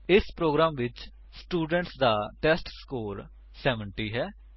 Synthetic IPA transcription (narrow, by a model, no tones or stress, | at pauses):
ɪspɾoːɡɾaːmʋɪt͡ʃ | sʈuːɖə̃ɳʈsd̪aːʈɛːsʈskoːɾ | sɛːʋəɳʈiːɦɛː